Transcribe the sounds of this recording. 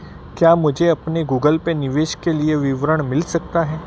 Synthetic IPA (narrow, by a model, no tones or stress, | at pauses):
kjaːmʊd͡ʒʱeɐpneɡuːɡəlpenɪʋeːʃkelieʋɪʋɾəɽ̃mɪlsɐk̚t̪aɦɛː